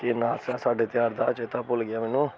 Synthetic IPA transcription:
keːnãːsaːsaːɖeːt̪ɪjaːɾd̪aːt͡ʃeːt̪aːpʊlɡɪjaːmɛːnũː

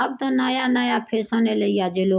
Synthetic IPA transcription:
ab̚t̪onaːjaːnaːjaːpʰeːsãːneːləiːaːd͡ʒeːloː

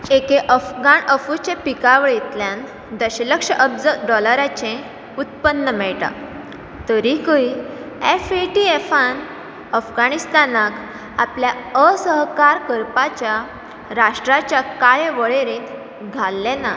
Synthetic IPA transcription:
ekeʔəfɡaɳəfut͡ɕepikaʋəɭjet̪ljãn | d̪əɕələkʂəʔəpd͡zəɖɔləɾat͡ɕẽ | ut̪̚pənːəmɛɭʈ̪a̰ | t̪əɾikəiefeʈiefan | əfɡanist̪anak | apljaəsəɦkaɾkəɾpat͡ɕja | ɾaʂʈɾat͡ɕjakajʋəɭeɾẽːt̪ | ɡʱalːena

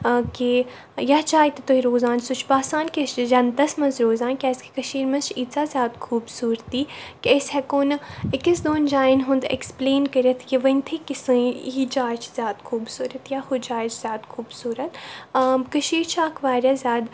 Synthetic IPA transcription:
ki | jat͡ʃaːit̪et̪oiɾoːzaːnsʊt͡ʃʰpaːsaːnkʲeʃd͡ʒɐnd̪ɐsmɐnzɾoːzaːnkʲɛskikɐʃiːɾmɐnt͡ʃʰit͡saːzʲjaːd̪xʰuːbsuːɾt̪iːkʲəsʲhɛkoːnɪkisd̪oːnd͡ʒaːinɦʊ̃nd̪ḛkspleːnkɐɾʲɐt̪ʰjiʋɐnʲt̪ʰikisɨ̃ɦid͡ʒaːjt͡ʃʰzʲjaːd̪xʰuːbsuːɾɐt̪jaxʊd͡ʒaːjt͡ʃʰz̥ʲjaːd̪xʰuːbsuːɾɐt̪ː | kɐʃiːɾt͡ʃʰaːkʰʋaːɾʲjazʲjaːd̪

